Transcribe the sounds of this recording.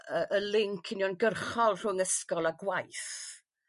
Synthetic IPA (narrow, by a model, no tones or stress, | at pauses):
əʔəlɪŋkʰɪnjɔnɡərχɔlˠr̥ʊŋəskɔlˠaɡwajθ